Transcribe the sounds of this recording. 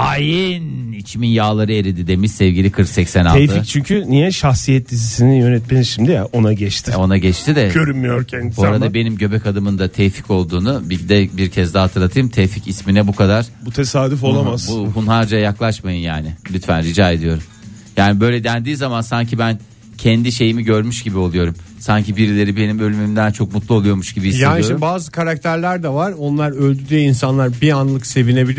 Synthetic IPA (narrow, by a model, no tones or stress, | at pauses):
ajinit͡ʃʰminjaːlˠaɾɯe̞ɾid̪id̪emissɛvɟilʲikʰɯɾksɛcsɛnalˠɛɯfict͡ʃʰyɲcʰynijɛʃaxsijɛt̪d̪izisinijø̞nɛt̪menizʃimd̪ijaʔo̞naɟɛt͡ʃt̪ʰɪo̞naɟɛt͡ʃt̪ʰid̪ɛɟøɾymmːyjoɾcʰɛnd̪boɾad̪abe̞nimɟø̞bɛcad̪ɯmɯnd̪at̪ʰɛjfi̥co̞lˠd̪uːnubid̪ɛbiɾcʰɛzd̪ɛɦat̪ʰɯɾlˠat̪ʰɯjɯmt̪ʰɛficisminɛbukʰad̪aɾ̥but̪ʰesaːd̪ifolˠamazb̥uhunɦaɾd͡ʒajaklˠaʃmajɯnjaːnɪlʲyt̪fænɾid͡ʒaːe̞d̪ijo̞ɾum | jaːnibø̞jlʲɛd̪ænd̪iːzamansaɲcʰibæn | cʰɛnd̪iʃe̞jimiɟøɾmyʃɟibio̞lˠujo̞ɾum | saɲcibiɾilʲe̞ɾibe̞nimø̞lʲymymd̪ænt͡ʃʰo̞k̚mut̪lˠuo̞lˠujo̞ɾmuʃɟ̥ibiisjaenioɾbaːzɯkʰaɾakt̪ʰæɾlʲæɾd̪ɛvaɾo̞nlˠaɾølʲd̪yd̪iinsanlˠaɾbianlˠɯkse̞vine̞bilʲi